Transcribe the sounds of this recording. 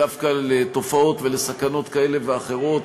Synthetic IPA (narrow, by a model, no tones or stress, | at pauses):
afkalet̪o̞fao̞t̪ve̞le̞sakano̞t̪kae̞le̞veaχe̞ʁo̞t